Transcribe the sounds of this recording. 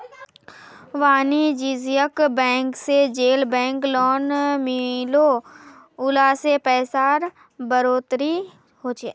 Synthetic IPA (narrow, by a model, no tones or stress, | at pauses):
ʋaːnid͡ʒiːzijəkbɛ̃ːŋksed͡ʒeːlbɛ̃ːŋklɔːnmɪlo | ʊlaːsepɛːsaːɾ | bəɾoːt̪ɾi | ɦoːt͡ʃeː